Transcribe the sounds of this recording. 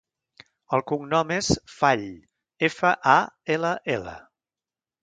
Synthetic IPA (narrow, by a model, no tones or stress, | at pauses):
əlˠkuŋnɔmesfaʎ | efəʔaeləʔelə̰